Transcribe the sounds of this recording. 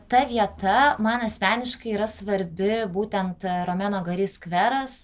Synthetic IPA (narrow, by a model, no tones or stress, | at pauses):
t̪ɐʋʲiɛt̪ɐmɐnɐsʲmʲæːnʲɪʃkɐɪiːɾɐsʋɐɾʲbʲɪbuːt̪ʲɛnt̪ɾoːmʲæːnoːɡɐɾʲiskʋʲɛɾɐs